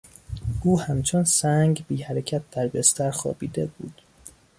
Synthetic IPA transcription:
ʔuːhæmt͡ʃʰonsæŋɟbiːhæɾecʰæt̪̚d̪̥æɾbest̪æɾxɒ̰ːbiːd̪ebṵːd̪̥

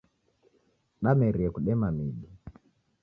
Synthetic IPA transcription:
ɗamɛɾiɛkuɗɛmamiɗi

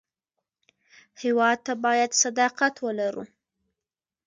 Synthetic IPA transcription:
hɪwɑd̪̚t̪abɑjad̪sad̪ɑqat̪wəlaɾṵ

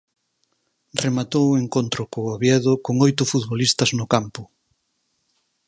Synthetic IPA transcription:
remat̪oweŋkont̪ɾʊkoaβjɛðʊkoŋojt̪ʊfut̪βolist̪ɐznʊkampʊ

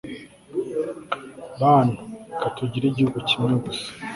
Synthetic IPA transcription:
βaːnukatuɟiɾiɟihuɡucimŋeɡusḁ

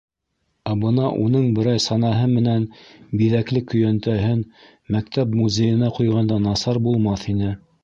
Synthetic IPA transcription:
æbɤnɑʔunɤɴbɘ̆ɾɑjsɑnɑɦɤmɘ̆nænbiðæklɘkɵ̆jænt̪æɦɘn | mæk̚t̪æpmuzʲejɘ̆næqujʁɑnd̪ɑnɑsɑɾbulˠmɑθinɘ

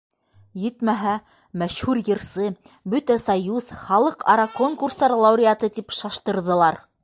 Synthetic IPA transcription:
jɘ̆t̪mæɦæ | mæʃhʉɾjɤ̆ɾsɤbɵt̪æsɑjuzχɑlˠɤqɑɾɑkoŋkurst̪ɑɾlˠɑwɾʲɪat̪ɤt̪ipʃɑʃt̪ɤ̆ɾðɤ̆lˠɑɾ

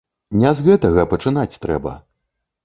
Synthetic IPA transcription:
nʲɛzɣɛt̪ɐɣɐpɐt͡ʂɨnat͡sʲt̪ɾɛ̰bɐ̰

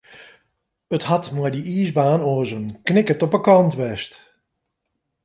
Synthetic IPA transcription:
əthɑtmɔjdiiːzbaːnoːəzənknɪkətɔpəkɑntʋɛst

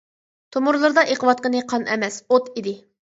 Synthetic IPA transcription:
t̪ʰomʊɾlˠɨɾd̪ɑʔeqəvɑt̪̚qənɨqʰɑnʔɛmɛsot̪id̪ɪ

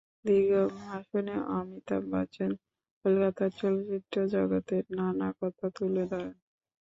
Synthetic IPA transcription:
d̪iɡombʱaʃoneʔamit̪a̰ba̰t͡ɕen | kolkat̪aɾt͡ɕɔlot͡ɕit̪ɾod͡ʑɔɡat̪eɾnanakɔt̪ʰat̪uled̪ɔen

